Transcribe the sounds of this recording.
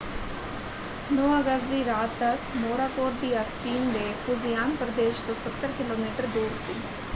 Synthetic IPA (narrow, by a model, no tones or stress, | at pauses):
noːaɡəzd̪iɾaːt̪ːɐkmoːɾaːkoːɾd̪iɐkt͡ʃiːnd̪efʰʊzijaːnpɾəd̪eːʃt̪osət̪ːəɾkɪloːmiːʈəɾd̪uːɾsiː